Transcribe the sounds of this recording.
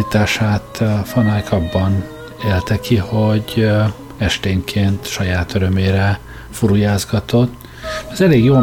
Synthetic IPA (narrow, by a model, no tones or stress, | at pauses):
it̪aːʃaːt̪fɒnajkʰɒbːɒn | eːlt̪ɛkiho̞ɟ | ɛʃt̪eːŋkʰeːnt̪ʃɒjaːt̪øɾømeːɾɛ | fuɾujaːzɡɒt̪o̞t̪ː | ɒzɛleːɡjoː